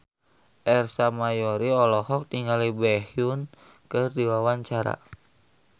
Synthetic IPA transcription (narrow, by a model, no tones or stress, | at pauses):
ʔɛrsamajɔɾiɔlɔhɔk̚tiŋalibɛhijun | kɨrdiwawaɲt͡ʃaɾa̰